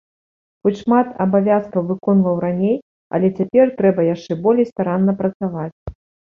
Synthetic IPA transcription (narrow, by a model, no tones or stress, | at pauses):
xut͡sʲʂmat̪ɐbavʲaskɐwvɨkɔnvɐwɾanʲej | ɐ̰lʲɛt͡sʲapʲɛrt̪ɾɛbɐjaʂt͡ʂɛbɔlʲejst̪aɾanːɐpɾɐt̪savat͡sʲ